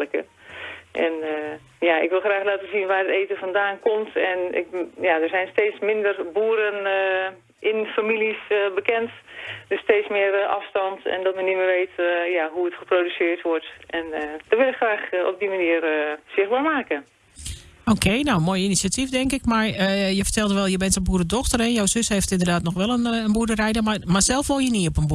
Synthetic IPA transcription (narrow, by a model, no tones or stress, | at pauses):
ləkə̰ | ʔɛn | jaɪkʋɪlˠxraːxlaːtəzinʋaːrəteːtəfɔndaːnkomtʰɛnɪ̰kjadərzɛjnsteːt͡smɪndərbuːəɾən | ʔɪnfamilisəbəkɛntd̥østeːtsmɪərʔɑ̰fstɑntɛ̰ndɔtmɛnimərʋeːtjaɦuətχəprodysɪərtʋɔrtʔɛndɔʋɪlˠɪkxraːxɔ̰p̚dimaniːərsɪxbaːɹmaːkə | oːkʰeːnownmoːjəinisiatifdɛŋkɪkmarəjəfə̥rtɛlˠdəʋɛlˠjəbɛntənbuːɾədɔxtərɛnjawsøsheftɪndərdaːtnɔxʋɛlˠənənbuːdərɛjdəmamarsɛlˠfʋolˠjəniɔpənbu